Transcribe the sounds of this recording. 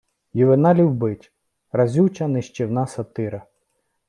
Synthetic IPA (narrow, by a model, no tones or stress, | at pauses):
juʋɪnɑlʲiwbɪtʲ | rɾɐzʲuwt͡ʃɐnɪʃt͡ʃɪwnɑsɐt̪ɪɾɐ